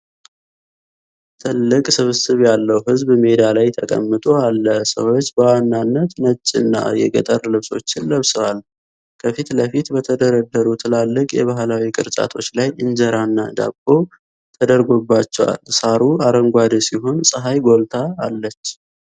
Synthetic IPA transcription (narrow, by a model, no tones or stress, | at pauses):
t̪ʰɨlːɨkʼsɨβɨsɨβjalːəwɦɨzbme̞d̪alajt̪ʰəkʼə̰mːɨt̪ʼo̞alːəsə̰wo̞t͡ʃːbəwanːanːət̪nət͡ʃʼːɨnːa̰jɛɡət̪ʼərlɨβso̞̰t͡ʃːɪnləβsəwal | kʰəfit̪ləfit̪bət̪ʰəd̪əɾəd̪ːəɾut̪ʰɨlalːɨkʼjɛ̰βaɦlawikʼɨɾt͡ʃʼa̰t̪ʰo̞t͡ʃːlajɨnd͡ʒəɾanːad̪a̰kʼo̞ | t̪ʰəd̪əɾɡo̞bːat͡ʃːɛwa̰lsaɾuaɾəŋɡʷad̪siɦo̞nsʼɨɦajɡo̞lt̪ʰaːlːət͡ʃː